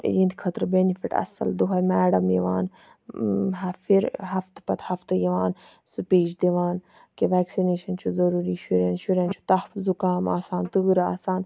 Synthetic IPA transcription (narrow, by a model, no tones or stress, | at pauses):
jind̪ikʰɐt̪ɾbenifiʈɐ̰sɐ̰ld̪uɦɐmɛːɖɐmjiʋaːn | ɦfiɾɦɐft̪pɐt̪hɐft̪jiʋaːn | sɨpeːt͡ʃd̪eʋaːn | keʋɛːksineːʃɐnt͡ʃʰuzɐɾuːɾiːʃuɾenʃuɾeːnt͡ʃʰu̥t̪ɐhfzukaːma̰ːsaːnt̪ɨːɾa̰ːsaːn